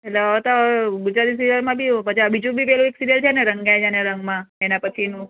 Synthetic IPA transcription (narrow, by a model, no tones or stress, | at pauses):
etleɔt̪obud͡ʒad̪is̬iɾiəɾmãbʱiopət͡ʃiəbid͡ʒũbʱipɛɦlũeksiɾijəlt͡ʃʰeneɾəŋɡajd͡ʒaneɾəŋɡmãenapət͡ʃʰinũ